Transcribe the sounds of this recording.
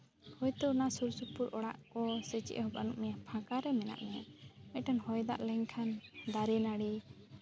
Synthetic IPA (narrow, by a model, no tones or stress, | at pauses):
hɔjt̪ɔnasuɾsupuɾɔɽa̰ʔkɔsɛt͡ʃɛ̰ʔhɔbanuʔmɛɲapʰãkaɾɛmɛna̰ʔmɛɲamɛʈanhɔjd̪a̰ʔlɛɲkʰand̪aɾɛnaɽi